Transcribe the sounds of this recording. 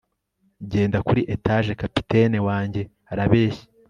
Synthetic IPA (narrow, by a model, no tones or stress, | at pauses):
ɟe̞ːndakuɾiʔetaʒe̞kapi̥tʰe̞newaːɲɟe̞ | aɾaβe̞ːʃi̥